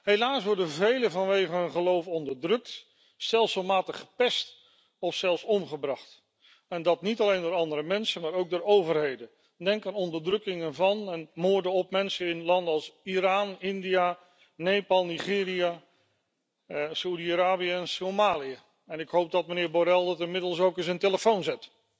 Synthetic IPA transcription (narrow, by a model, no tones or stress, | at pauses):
ɦejlaːsʋɔɹdənvejləvɑnʋejχəɦənχəlowfɔndəɹdrɵk̚t | stɛlˠsomaːtəχə̥pɛst | ɔfsɛlˠsɔmχəbrɑχt | ɛndɑtnitɑlejndʊːɾɑndəɾəmɛnsəmaːɾowɡ̚dʊːɹowvərɦejdən | dɛŋkaːnɔndəɹdrɵkɪŋənvɑnɛnmʊːɹdəɔp̚mɛnsəɪnlɑndəɑlˠsiɾaːnɪndija | nejpɑlˠniχɪːria | saudiaɾaːbiəɛnsomaːliə | ɛnɪkɦowp̚dɑt̚mənɪːɹboɾɛlˠdətɪnmɪdəlˠsowkɪsənteləfownzɛt